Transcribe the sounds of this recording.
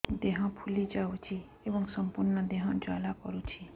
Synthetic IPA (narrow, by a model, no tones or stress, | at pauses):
d̪eɦãpʰulid͡ʒaut͡ʃʰi | ebəŋɡsəmpuɾnəd̪eɦãd͡ʒalakɔɾut͡ʃʰi